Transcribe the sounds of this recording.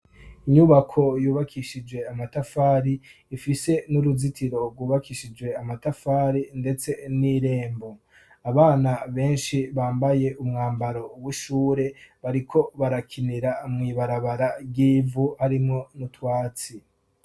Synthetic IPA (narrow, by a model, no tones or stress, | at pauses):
iɲuβakʰo̞juːβakʰiʃid͡ʒwe̞amatafaːɾiː | fise̞nuɾuzitʰiɾo̞ɡwuːβakiʃid͡ʒwe̞amatafaːɾinde̞t͡se̞niɾe̞ːmbo̞ | aβaːnaβe̞ːnʃiβaːmbaje̞ʔumŋaːmbaɾo̞wiʃuːɾe̞βaɾikʰo̞βaɾakʰiniɾamŋiːβaɾaβaɾabɡiːvuhaɾimŋo̞nutwaːt͡si